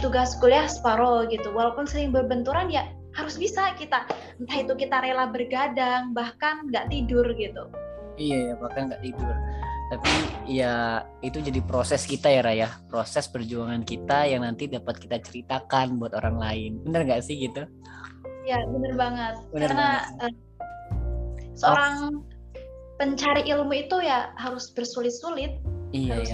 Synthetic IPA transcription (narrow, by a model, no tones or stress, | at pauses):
t̪uɡaskoliahspaɾɔlɡit̪uwalapʊnsəlɪŋbərbənt̪uɾanja | haɾʊsbisakit̪a | nt̪ahit̪ukit̪aɾelahbərɡadaŋbahkanŋɡaʔt̪idʊrɡit̪u | ijajabahkanɡaʔt̪idʊrt̪apija | it̪ud͡ʒadipɾosɛskit̪ajaɾajahpɾosɛspərd͡ʒuaŋankit̪ajaŋnant̪idapat̪̚kit̪at͡ʃəɾit̪akanbuat̪oɾaŋlaɪnbənərŋɡaʔsɪhɡit̪u | jabənərbaŋət̪̚bəknarnaə | səoɾaŋ | pəɲt͡ʃaɾiʔilmuit̪ujahaɾʊsbərsulɪt̪̚sulɪt̪̚ijaja